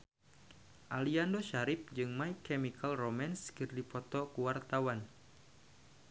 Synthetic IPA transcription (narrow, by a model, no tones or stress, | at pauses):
ʔaliandɔʃaɾip̚d͡ʒɨŋmaikɛmikʰalromanskɨrdipɔt̪ɔkuwart̪awan